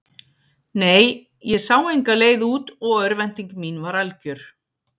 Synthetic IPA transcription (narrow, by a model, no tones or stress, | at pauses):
neːj | jɛsaːwejŋkaleːjðuːt̪ɔɣœɾvɛn̥t̪iŋkmiːnvaɾalcʏɾ̥